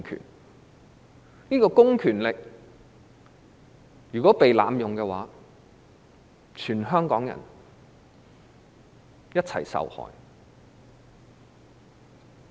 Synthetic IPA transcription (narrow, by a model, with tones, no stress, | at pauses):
kʰy̰ː˨˩n | niː˥kɔː˧kʊ˥ŋkʰyː˨˩nlɪ˨k̚ | jyː˨˩kɔː˨˥pe˨jlaː˨˧mjʊ˨ŋkɛ˧waː˨˥ | t͡ʃʰyː˨˩nɦœː˥ŋkɔː˨˥ŋjɐ̰˨˩n | jɐ˥t̚t͡sʰɐ̰˨˩jsɐ̰˨whɔ̰ː˨˩j